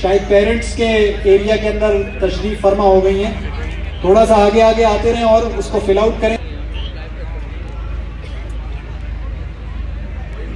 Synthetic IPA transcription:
ʃaːɦɪd̪̚peːɾə̃ɳʈskeeːɾijakeɐ̃nd̪əɾt̪ɐʃɾiːkfɐɾmaɦoɡɐiɦɛ̃ːt̪ʰoːɽasaːɡeaːɡeaːt̪eɾɐɦɛ̃ɔːɾʊskofɪlaːʊʈkɐɾẽ

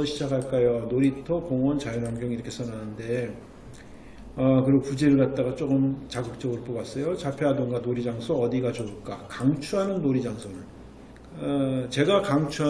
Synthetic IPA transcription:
ʌɕʰid͡ʑakʰaɭk͈ajonoɾitʰʌpoŋwʌnt͡ɕajʌnɦanɡjʌŋiɾʌkʰe̞s͈ʌnanɯnde̞ | ʌkɯɾiɡopud͡ʑiɾɯɭkat̚t͈aɣat͡ɕ͈okɯmt͡ɕaɡɯk̚t͡ɕ͈ʌɡɯɾopoɡas͈ʌjot͡ɕapʰeɦadoŋɡanoɾid͡ʑaŋsʰʌʌdiɡad͡ʑouɭk͈akaŋt͡ɕʰuɦanɯnːoɾid͡ʑaŋsʰʌnɯn | t͡ɕe̞ɡakaŋt͡ɕʰua

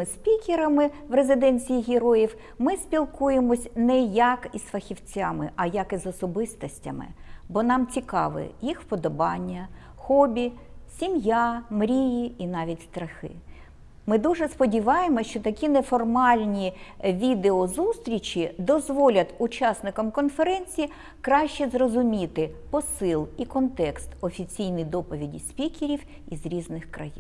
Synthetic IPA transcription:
ɪsʲpʲikʲeɾɐmɪʋrezɪd̪ɛnʲt͡sʲijiɦʲɪɾɔjiw | mɪspʲilˠkujemɔsʲnɛjɐkisfɐxʲiwt͡sʲamɪʔɐjɐkɪzɔsɔbɪst̪ɔsʲtʲɐmɪ̰bɔnɑmt͡sʲikɑʋɪ̰jixpɔd̪ɔbɑnʲːɐ | xɔbʲisʲimjamɾʲijiinɑʋʲitʲst̪ɾɐxɪ̰ | mɪd̪uʒɛspɔdʲiʋɑjemɔʃt͡ʃɔt̪ɐkʲinɛfɔrmɑlʲnʲiʋʲid̪eɔzust̪ɾʲit͡ʃʲid̪ɔzʋɔlʲɐt̪ʲʊt͡ʃɑsnɪkɐmkɔnfeɾɛnʲt͡sʲiji | kɾɑʃt͡ʃɛzrɔzʊmʲit̪ɪpɔsɪlˠikɔnt̪ɛkst̪ɔfʲit͡sʲijnɪjd̪ɔpɔʋʲidʲispʲikʲɪɾʲiw | izɾʲiznɪxkɾɐ̰jḭn

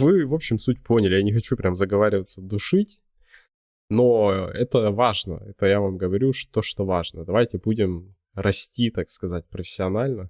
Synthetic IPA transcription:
vɨvo̞pɕːɪmsutʲpʰonʲɪlʲɪjanʲɪxɐt͡ɕupɾʲʔamzəɡɐvaɾʲɪvət̪səd̪ʊʂɨtʲ | no̞ɛt̪əvaʐnə̰ɛt̪əjavamɡəvɐɾʲuʂt̪oʂt̪ovaʐnəd̪ɐvajtʲɪbudʲɪm | rɐsʲtʲit̪akskɐzat̚ʲpɾəfʲɪ̥sʲːɪɐnalʲnə

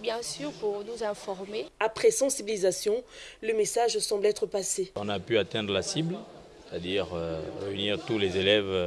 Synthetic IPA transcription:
bjɛ̃syʁpuʁnuzɛ̃fɔʁmeapχɛsɑ̃sibilizasjɔ̃ləmesaʒsɑ̃blɛt̪χəpaseɔ̃napyat̪ɛ̃nd̪ʁəlasibl | sset̪ad̪iʁʁeyniʁt̪ulezelɛv

